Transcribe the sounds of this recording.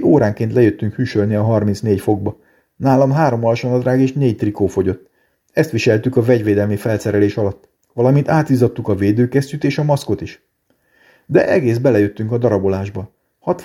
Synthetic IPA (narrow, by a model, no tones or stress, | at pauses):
oːɾaːŋkent̪lɛjøt̪ːyŋkhyːʃølniɒɦɒrminsneːɟfo̞ɡ̚bɒ | naːlɒmɦaːɾo̞mɒlɒʃonɒd̪raːɡeːʃneːct̪rikoːfo̞ɟo̞t̪ː | ɛst̪ʋiʃɛlt̪ykɒvɛɟʋeːd̪ɛlmifɛltsɛɾɛleːʃɒlɒt̪ː | ʋɒlɒmint̪aːt̪iːzɒt̪ːukɒveːd̪øːkɛst̪yt̪eːʃɒmɒsko̞t̪iʃ | d̪ɛ̰ʔɛɡeːzbɛlɛjøt̪ːyŋkɒd̪ɒɾɒbo̞laːʒbɒ | hɒt̪